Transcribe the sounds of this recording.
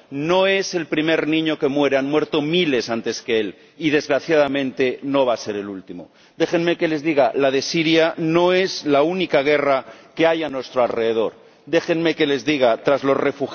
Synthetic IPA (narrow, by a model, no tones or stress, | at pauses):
no̞e̞se̞lpɾime̞ɾnĩɲo̞kemwe̞ɾeanmwe̞ɾt̪o̞mile̞sant̪e̞ske̞el | ið̞e̞zɣɾaθjaðamẽ̞nt̪e̞no̞βase̞ɾe̞lult̪imo̞̰ | d̪e̞xenme̞ke̞le̞zðiɣalaðe̞siɾjanoe̞zlaunikaɣ̞e̞rake̞ajanwe̞st̪ɾoalre̞ðe̞ðo̞ɾ | d̪e̞xenme̞ke̞le̞zðiɣat̪ɾazlo̞zre̞fux